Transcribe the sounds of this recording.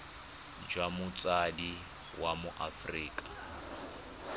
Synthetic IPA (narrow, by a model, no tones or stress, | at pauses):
d͡ʒwamʊt͡sʼadi | wamʊʔafriːkʼḁ